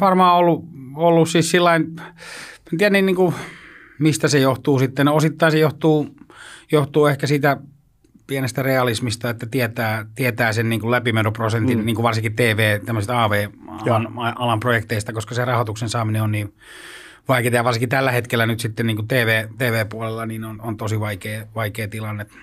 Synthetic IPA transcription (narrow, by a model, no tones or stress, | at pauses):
ʋɑrmɑːolːuolːussiːssilːɑin | mt̪iænːinniːŋku | mist̪æsejoht̪uːsit̪ːenosit̪ːɑinsejoht̪uːjoht̪uːehkæsiːt̪æ | pienest̪æreɑlismist̪ɑet̪ːæt̪iɛt̪æːt̪iet̪æːsenniːŋkulæpimenoprosent̪inniːŋkuʋʋɑrsiŋkit̪eːʋeːt̪æmːøsest̪ɑːʋeːɑɑnɑɑlɑmprojekt̪eist̪ɑkoskɑserɑhot̪uksensɑːmineonniː | ʋɑiket̪ɑjɑʋɑrsiŋkit̪ælːæhet̪kelːænyt̪sit̪ːenniːŋkut̪eːʋeːt̪eːʋeːpuɑlelːɑniːnonont̪osiʋɑikeːʋɑikeːt̪ilɑnːet̪